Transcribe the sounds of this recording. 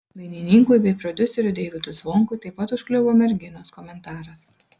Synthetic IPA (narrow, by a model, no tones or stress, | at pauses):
lˠɐɪnʲiːnʲiŋkujbʲɛɪpɾɔd̪ʲʊsʲɛɾʲʊd̪ʲɛːʋʲɪt̪uːsʋɔŋkʊːt̪ɐɪpɐt̪ʊʃʲklʲɛʋoːmʲɛɾʲɡʲɪnoːskɔmʲɛnt̪ɑːɾɐs